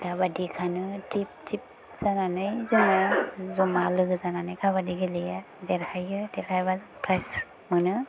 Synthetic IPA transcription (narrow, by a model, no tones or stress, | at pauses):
dabadikʰanɯtip̚tʰip̚ | z̥ananɯjzɔmazɔmalɯɡɯzananajkʰabadiɡelija | zeɾhajɯdɛɾhajbaz | pʰɾajs | mɯnɯ